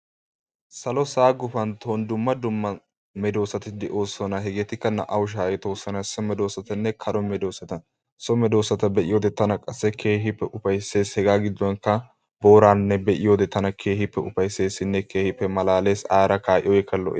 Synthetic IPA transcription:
sɐlɔsaːɡʊfɐnt̪ʰoːnd̪ʊmːɐd̪ʊmːɐ | mɛd̪o̞ːsːɐt̪ɪd̪ɛʔo̞ːsːɔnɐɦɛɡeːt̪ɪkːɐnɐ̰ʔɐwʊʃ̬aːjɛt̪o̞ːsːɐnɐsɔmɛd̪o̞ːsɐt̪ɐnːɛkʰɐɾɔmɛd̪o̞ːsɐt̪ɐ | sɔmɛd̪o̞ːsɐt̪ɐbɛʔɪ̰joːd̪ɛt̪ɐnɐkʼɐsːɛkʰe̞ːɦɪpːɛʔʊfɐjsːe̞ːshɛɡaːɡɪd̪ːɔnkːɐ | bo̞ːɾaːnːɛbɛʔɪjoːd̪ɛt̪ɐnɐkʰe̞ːhɪpːɛʊfɐjsːe̞ːsːɪnːɛkʰeːhɪpːɛmɐlaːle̞ːsaːɾɐkaːʔɪ̰ɔjɛkːɐlɔ̰ʔ

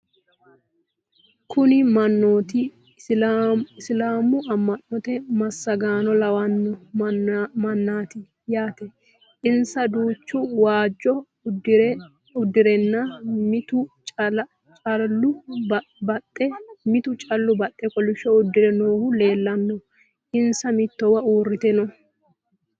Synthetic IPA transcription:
kʰʊnɪmɐnːoːt̪ɪ | ɪslaːmʊɐmːɐnːɔt̪ɛmɐsːɐɡaːnɔlɐwɐnːɔ | mɐnːaːt̪ɪ | jaːt̪ɛ | ʔɪnsɐd̪uːt͡ʃːʊwaːd͡ʒːɔ | ɾ | ʊd̪ːɪɾɛnːɐmɪt̪ʊt͡ʃ | t͡ʃʼɐʊ | bɐtʼːɛmɪt̪ʊt͡ʃʼɐlːʊbɐtʼːɛkɔlɪʃːɔʊd̪ːɪɾɛnoːhʊle̞ːlːɐnːɔ | ʔɪnsɐmɪt̪ːɔwɐuːrːɪt̪ɛnɔ

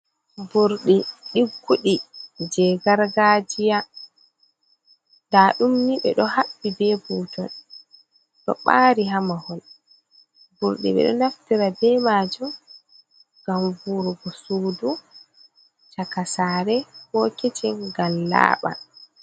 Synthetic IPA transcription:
buɾɗiɗiɡːuɗid͡ʒɛɡaɾɡaːd͡ʒija | daːɗumniɓɛ̰ɗɔhaɓːidɛbutɔ̰n | ɗɔ̰ɓaːɾiɦamahɔl | buɾɗḭɓɛ̰ɗɔ̰naftiɾabɛmaːd͡ʒɔ | ɡamvuɾuɡɔsuːdu | t͡ʃakasaːɾɛhɔkɛt͡ʃɛŋɡalla̰ːɓa̰

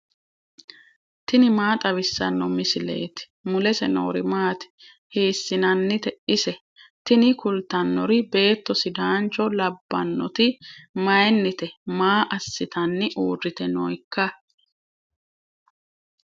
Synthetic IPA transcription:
t̪ɪnɪmaːt̪ʼɐβɪsːɐ̰nːɔmɪsɪle̞̰ːt̪ɪ̥mʊlɛsɛno̰ːɾɪmaːt̪ɪ̥ | hiːsːɪnɐnːɪt̪ɛʔɪsɛ | t̪ɪnɪkʊlt̪ɐnːɔɾɪbe̞ːt̪ːɔsɪd̪aːnt͡ʃɔlɐbːɐ̰nːɔt̪ɪmɐjnːɪt̪ɛmaːʔɐsːɪt̪ɐnːɪʔuːrːɪt̪ɛnɔjkːɐ

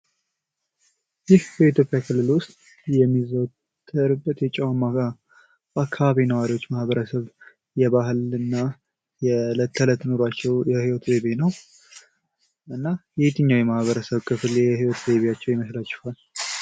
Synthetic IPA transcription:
jɪhbəit̪jo̞pʼjakʰɨlːɨlwʊst̪ʼ | jɛmːizəwt̪ʰːəɾɨbːət̪jɛt͡ʃʼɛwamaka | bakʰːaβaβinəwaɾiwot͡ʃːmahβəɾəsəβ | jɛβaɦɨlɨnːa | jɛlət̪ʰːələt̪noɾat͡ʃːɛwjɛhiwɔt̪ʰbeβenəw | ʔɨnːajɛht̪ʰɨɲːawjɛmahβəɾəsəβkʼʰɨfɨlɛhiwɔt̪beβijat͡ʃːɛwjɪməslat͡ʃːɪ̥hal

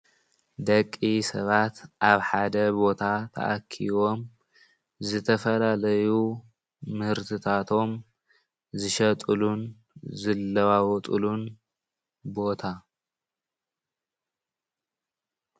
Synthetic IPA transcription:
d̪ɐkʼːisɐβat̪ʔaβħad̪ɐbo̞t̪ʰat̪ʰɐ̰ʔa̰kʰːḭβo̞m | zɨt̪ʰɐfɐlalɐju | mɨhɨɾt̪ʰɨt̪ʰat̪ʰo̞m | zɨʃɐt̪ʼɨlun | zɨlːɐwawɔt̪ʼṵlun | bo̞t̪ʰa

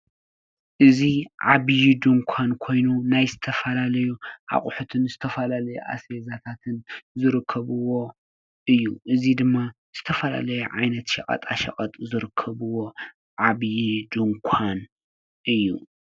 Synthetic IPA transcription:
ʔɨziʕaβjid̪ɨŋkʷʰankʰo̞jnunajzɨt̪ʰɐfɐlalɐjuʕa̰χʼʊħut̪ʰɨnzɨt̪ʰɐfɐlalɐjuʔa̰sezat̪ʰat̪ʰɨnzɨɾɨkʰːɐβɨwo̞ | ʔɨjːuʔɨzid̪ɨmːa | z̥ɨt̪ʰɐfɐla̰lɐjɛʕajnɐt̪ʃɐkʼɐ̰t̪ʼa̰ʃɐ̰kʼɐt̪ʼzɨɾɨkʰːɐβɨwo̞ | ʕaβjid̪ɨŋkʷʰan | ʔɨjːṵ

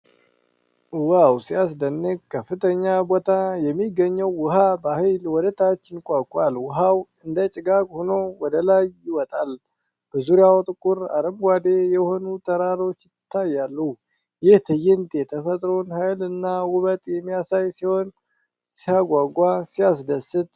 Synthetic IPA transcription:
wawsijas̬d̪ənːɨɡkʰəfɨt̪ʰəɲːabot̪ʰajɛmːiɡəɲːəwːʊɦabahɪjlwɔd̪ət̪ʰat͡ʃːɪnkʷʼakʼalwʊɦawɨnd̪ət͡ʃʼɪɡakʼhono̞wɔd̪əlajːɪwɔt̪ʼal | b̥əzuɾjawt̪ʼɨkʼʊɾa̰ɾəmɡʷad̪e̞jɛho̞nut̪ʰəɾaɾo̞t͡ʃːjɪt̪ʰːajːalːə | jɪht̪ʰɨjːɪnt̪ʼet̪ʰəfət̪ʼɾonhajlɨnːawʊβət̪ʼjɛmːijasajsiho̞n | sihaɡʷaɡʷasijas̬d̪əsɨt̪ʼ

